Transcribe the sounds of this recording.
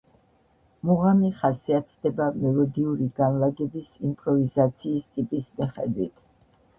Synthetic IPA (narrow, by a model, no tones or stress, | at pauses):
muʁamiχasiat̪ʰd̪ɛbamɛlˠɔd̪iuɾiɡanlaɡɛbisimpʼɾɔvizat̪sʰiːst̪ʼipʼismiχɛd̪wit̪ʰ